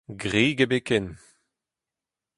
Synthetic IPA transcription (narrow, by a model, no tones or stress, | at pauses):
ɡʁiːɡebekɛn